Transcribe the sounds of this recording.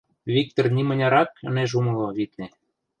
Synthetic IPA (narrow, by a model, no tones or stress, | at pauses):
βik̚t̪ornʲimə̆nʲɑɾɑkə̰̆neʒumɤ̆lˠoβit̪ne